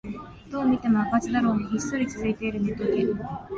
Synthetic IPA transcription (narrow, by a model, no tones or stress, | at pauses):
d̪̥o̞ːmʲit̪e̞moakat͡sɨd̪aɾo̞ːmiɦʲisːo̞ɾʲit͡sɨzɨit̪e̞iɾɯ̟met̪ok̪e